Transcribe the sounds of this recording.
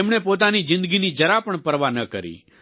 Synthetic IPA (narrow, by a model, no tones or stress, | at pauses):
emɳepot̪̬anid͡ʒɪ̃nd̪əɡinid͡ʒəɾapəɳpəɾʋanəkəɾḭ